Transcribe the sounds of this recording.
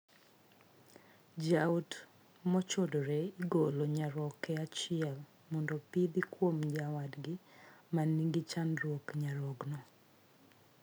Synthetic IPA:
d͡ʒaut | mɔt͡ʃɔdɾɛiɡoloɲaɾɔkɛat͡ʃɪɛl | mɔndɔpid̪ikwomd͡ʒawadɡɪmanːiŋɡit͡ʃanɾwokɲaɾɔɡnɔ

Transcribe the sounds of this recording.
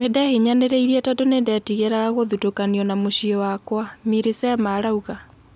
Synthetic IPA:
medɛheɲaneɾeiɾiɛtadonendɛtiɣeɾaɣaɣoðutokaniɔnamoɕiɔwakwamiɾesɛmaɾauɣa

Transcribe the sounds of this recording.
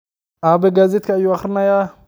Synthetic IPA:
abeɡazit̪kajuaxɾnaja

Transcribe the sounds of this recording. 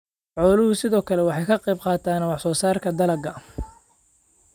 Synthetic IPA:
ʕɔːlʊhʊsɪðɔːkʰɐlɛwɑħɑjkʰɐqɛjbqɑːt̪ʰaːnwɑħsɔːsaːrkʰɐd̪ɐlɐɡɐ

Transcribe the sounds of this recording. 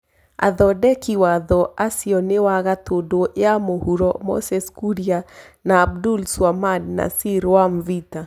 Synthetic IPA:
a̰ðɔdɛkiwaðɔasiɔnewaɣatodoeamohuɾɔmɔ̰sɛskuɾia | naːb̚dulswamadna̰siɾwamvita

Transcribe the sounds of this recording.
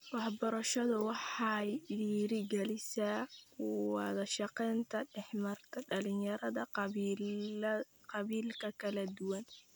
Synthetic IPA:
wɑħbɔɾɐʃɐðʊwɑħɑjɪɾiːɾɪɡɛlɪsɐ | wɑðɐʃɑqɛːnt̪ʰɐɖɛħmɐrt̪ʰɐɖɐlɪnjɐɾɐðɐ | qɑβiːlkʰɐkʰɐlɐd̪ʊwɐn

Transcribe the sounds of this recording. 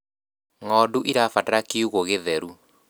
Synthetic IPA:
ŋɔduʔiɾafataɾakiuɣoɣeðɛɾu

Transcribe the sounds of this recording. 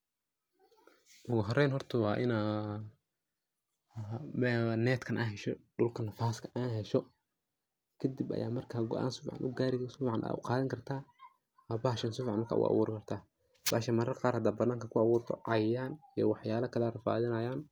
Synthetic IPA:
ʔʊɣʊɦɔrɛjnɦɔrt̪ʰɐwɑːʔɪna | mɛnɛːt̪kʰɐnʔaːɦɛʃɔɖʊlkʰɐnɐfaːskʰɐʔaːɦɛʃɔ | kʰɐd̪ibʔɐ̰ja̰ːmɐrkʰaːɡɔ̰ʔa̰ːnsʊfʕɑ̰nʔʊɡaːɾɪksʊfʕɑnʔa̰ːʔʊ̰qɑːðɐŋkʰɐrt̪ʰaː | ɐbaːʃɐnsʊfʕnmɐrkʰa̰ːʔʊ̰ʔɑ̰wṵːɾɪkʰɐrt̪ʰaː | b̥aːʃɐmɐɾɐrqɑːrhɐd̪aːbɐnaːŋkʰɐkʰʊɑβuːrt̪ʰɔ̰ʕɑjaːnijɔ̰wɑħjaːlɐkʰɐlɐrɐfa̰ːðɪnɐjaːn

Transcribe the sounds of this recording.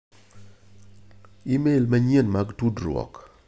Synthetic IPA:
imelmaɲenmaɡtudɾwɔ̰k

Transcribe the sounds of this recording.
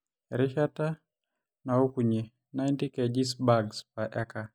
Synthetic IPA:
ɾiʃata | naukuɲɛ | najntikɛd͡ʒisbaɡspaʔɛka

